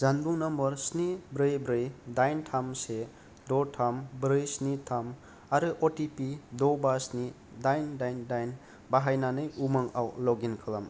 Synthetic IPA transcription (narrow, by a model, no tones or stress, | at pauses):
zanbuŋnɐmɯɾsnibɾɯjbɾɯjdajntʰamse | dɔtʰambɾɯjsnitʰam | aɾɯʔotipidɔbasni | dajndajndajn | baɦajnanɯjumaŋa̰wlɔɡinkʰɯlam